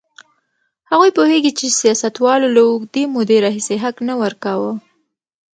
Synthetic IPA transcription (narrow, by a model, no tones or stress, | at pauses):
haɣujpoheɡit͡ʃesijɑsat̪wɑlolawʊɡd̪emod̪eɾɑɦiseɦaknawəɾkawə